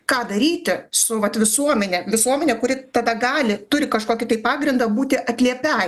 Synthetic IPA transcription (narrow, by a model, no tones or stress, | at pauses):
kɑːd̪ɐɾʲiːt̪ʲɪsʊʋɐt̪ʋʲɪsuɔmʲɛnʲɛʋʲɪsuɔmʲɛnʲɛkʊɾʲɪt̪ɐd̪ɐɡɑːlʲɪt̪ʊɾʲɪkɐʃkoːkʲɪt̪ɐɪppɑːɡɾʲɪnd̪ɐbuːt̪ʲɪʔɐt̪ʲlʲiɛpʲɛ